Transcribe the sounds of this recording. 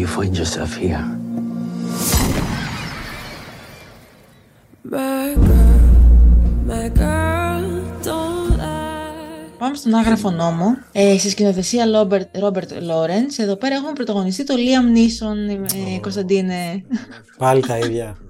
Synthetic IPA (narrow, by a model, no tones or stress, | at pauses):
ufoind͡ʒosɾɐ̰fiɐ | b | baka | t̪o | pɐme̞st̪o̞nɐɣɾɐfo̞no̞mo̞ | esiscino̞θe̞siɐobeɾo̞be̞ɾt̪lo̞ɾense̞ðo̞pe̞ɾɐe̞xumepɾot̪ɐɣo̞nist̪it̪o̞liɐmniso̞neko̞st̪ɐnd̪ine | pɐlit̪ɐiðʝɐ